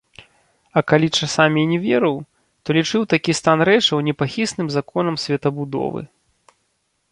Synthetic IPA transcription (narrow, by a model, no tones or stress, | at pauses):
ɐkalʲit͡ʂasamʲinʲɛvʲɛɾɨw | t̪ɔlʲit͡ʂɨwt̪akʲist̪anɾɛt͡ʂɐwnʲɛpaxʲisnɨmzakɔn̪ɐmsʲvʲɐt̪ɐbud̪ɔ̰vɨ̰